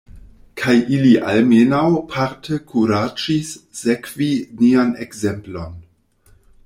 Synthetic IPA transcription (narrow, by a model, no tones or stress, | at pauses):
kʰajʔiliʔa̰lmenawpʰaɾtʰəkʰuɾad͡ʒissekvinianekze̞mplo̞n